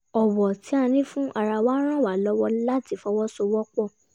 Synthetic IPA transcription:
ɔ˨wɔ˨ti˨˦a˧nĩ˦fũ˦ʔa˨ɾa˧wã˦ɾ̃ã˦˨wa˨˦˨lɔ˦wɔ˦la˦ti˧˦fɔ˧wɔ˦so˧wɔ˦k͡pɔ˦˨

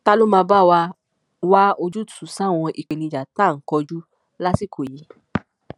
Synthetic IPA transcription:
ta˦lo˦mãː˧ba˦wa˧ | wa˦o˧d͡ʒu˦tu˨˦sã˦˨w̃ɔ̃˧ʔi˨k͡pe˨nĩ˧˨d͡ʒa˨ta˦˨ŋ̩˨˦kɔ˧d͡ʒu˦ | la˦si˦˨kʰo˨ji˨˦

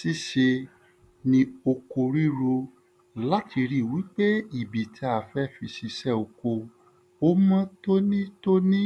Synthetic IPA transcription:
si˦ʃe˧ | nĩ˧o˧ko˧ɾi˦ɾo˧ | la˦ti˧ɾi˦˨wi˨˦k͡pe˦i˦˨bi˨tʰi˧a˦˨fɛ˦˨fi˧ʃi˧ʃɛ˦˨o˧˨ko˧ | o˦mã˦to˦nĩ˦to˦nĩ˦

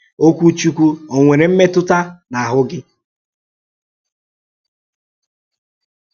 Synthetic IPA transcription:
o˦kʷu˦t͡ʃu˦kʷu˦o˨ŋʷe˨ɾe˨m̩˦me˦tʊ˦ta˦na˨a˨ɦʊ˦ɡɪ˦

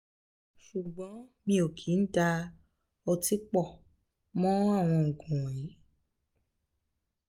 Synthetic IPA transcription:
ʃu˨ɡ͡bɔ̃˨˦mĩ˧o˨kʰi˨˦n̩˦da˧ | ɔ˧ti˦k͡pɔ˦˨ | mɔ̃˦a˦˨w̃ɔ̃˧ŋ̩˨ɡũ˨ĩ˨˦

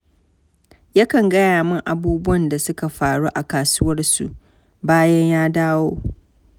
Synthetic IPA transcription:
ja˦kɐ˨ŋɡɐ˦jaː˨mɪ˦ŋʔa˨buː˦bʊ˦wɐ˨nda˨sʊ˦ka˨ɸaː˨ɽuː˦ʔa˨kaː˨sʊ˦wɐ˦rsṵ˨ʔ | baː˦jɐ˦ɲjaː˦daː˦woː˦

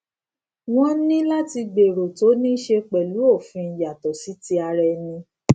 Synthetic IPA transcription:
w̃ɔ̃˦nĩ˦la˦ti˧ɡ͡be˨ɾo˨to˨˦nĩ˦ʃe˧k͡pɛ˨lu˨˦o˦˨fĩ˧˨ja˨tɔ˨si˨˦ti˧˦a˧ɾɛ˧nĩ˧

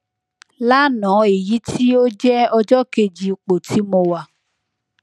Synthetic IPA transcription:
la˦nɔ̃˨˦e˨ji˨˦tʰi˦o˦d͡ʒɛ˦ɔ˧d͡ʒɔ˦ke˧d͡ʒi˨˧k͡po˨tʰi˨˦mõ˧wa˦˧˨

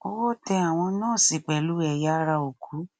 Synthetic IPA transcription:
ɔ˧wɔ˦tɛ˧a˨w̃ɔ̃˧nãː˦˨si˨k͡pɛ˨lu˨˦ɛ˧˨ja˦ɾa˧o˨kʰu˨˦

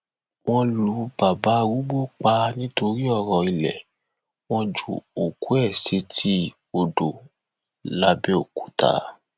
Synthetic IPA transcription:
w̃ɔ̃˧lu˨˦ba˨ba˨˦wu˦ɡ͡bo˦˨k͡pa˧nĩ˦to˧ɾi˦ɔ˦˨ɾɔ˨i˨lɛ̰˨ | w̃ɔ̃˧d͡ʒṵ˨o˨ku˨˦ɛ˦˨se˧tʰi˦ | o˧do˨ | la˨˧bɛ˦o˦˨ku̥˨˦ta̰˨˦

